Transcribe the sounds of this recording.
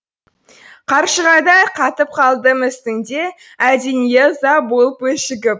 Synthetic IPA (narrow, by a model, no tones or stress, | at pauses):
qʰɑɾʃəʁɑjd̪ɑjqʰɑt̪əp̚qʰɑlˠd̪əmɪst̪ɪŋd̪e̞ | æd̪enijezɑbolˠəpwɵʃɪɡʲɪp̚